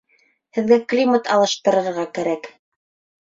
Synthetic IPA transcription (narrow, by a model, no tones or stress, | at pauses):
hɘ̆ðɡæklʲimat̪ʰɑlˠɤ̆ʃt̪ɤ̆ɾɤ̆ɾʁɑkæɾæk